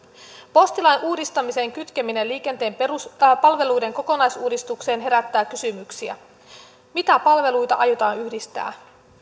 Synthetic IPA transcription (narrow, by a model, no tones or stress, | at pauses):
po̞st̪ilɑjnʔuːdist̪ɑmise̞ŋk̟yt̪k̟emine̞liːk̟e̞nt̪e̞ːmspɑlʋe̞lujde̞ŋko̞ko̞nɑjsuːdist̪ukse̞ːnɦe̞ɾæt̪ːæːkysymyksiæ̰ | mit̪æpɑlʋe̞lujt̪ɑ̰ʔɑjot̪ɑːnyhdist̪æ̰ː